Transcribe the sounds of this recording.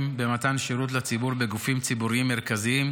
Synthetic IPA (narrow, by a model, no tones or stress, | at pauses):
mbe̞mat̪anʃeʁut̬lat͡sibuʁbe̞ɡufimt͡sibuʁiimːe̞ʁkaziim